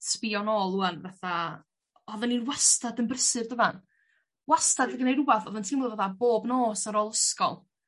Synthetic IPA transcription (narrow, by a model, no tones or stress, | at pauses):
sʰpiɔnɔːlˠuanvaθa | ɔðəninwastadənbrəsɨrdəvan | wastadɡənejɾubaθɔðəntʰimɔlˠvaθaboːbnoːsaɾɔlˠəskɔ̰lˠ